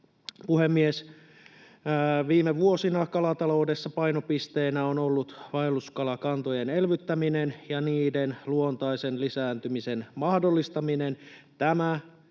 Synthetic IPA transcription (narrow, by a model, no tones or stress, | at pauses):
puhemːies | ʋiːmeʋuosinɑkɑlɑt̪ɑlo̞ude̞sːɑpɑjnopist̪eːnæonolːut̪ʋɑjluskɑlɑkɑnt̪ojenelʋyt̪ːæminenjɑniːdenluont̪ɑisenlisæːnt̪ymisenmɑhdolːist̪ɑminent̪æmæ